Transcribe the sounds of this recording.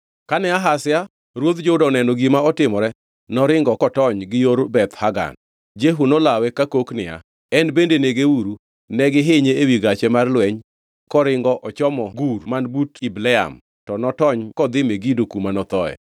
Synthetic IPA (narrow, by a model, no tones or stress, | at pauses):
kanɛaɦasɪa | ɾwot̪d͡ʒoʊdɔnɛnɔɡimaɔtɪmɔɾɛ | nɔɾɪŋɡɔkɔtɔɲɡɪjoɾbɛt̪haɡa̰n | d͡ʒeɦunolawɛkakoknɪa̰ | ɛnbendeneɡeuɾu | nɛɡɪɦeɲeewiɡat͡ʃɛmarlwɛɲ | kɔɾɪŋɡɔʔɔt͡ʃɔmɔɡurmanbutiblɛa̰m | tɔnɔtɔɲkɔd̪ɪmeɡidokumanɔt̪ɔɛ̰